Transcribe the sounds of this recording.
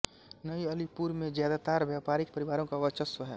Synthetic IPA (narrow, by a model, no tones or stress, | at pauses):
nəiɐlipuɾmẽd͡ʒjaːd̪at̪aːɾʋjaːpaːɾɪk̚pɐɾɪʋaːɾõkaʋət͡ʃəsʋəɦɛː